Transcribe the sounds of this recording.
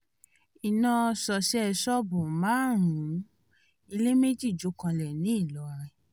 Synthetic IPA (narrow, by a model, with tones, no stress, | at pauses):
i˨nã˧sɔ˧˨ʃi˦ɛ˧˨sɔ˦bu˨mãː˦ɾ̃ũ˨˦ | i˧le˦me˦d͡ʒi˦˨d͡ʒo˨˦kã˧lɛ˨nĩ˨˦i˦˨lɔ˨˦ɾɛ˧